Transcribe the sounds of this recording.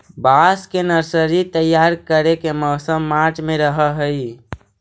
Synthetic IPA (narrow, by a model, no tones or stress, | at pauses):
baskenəɾsəɾit̪əjːaɾkəɾekemɔːsəmːat͡ʃmẽɾəɦəɦəi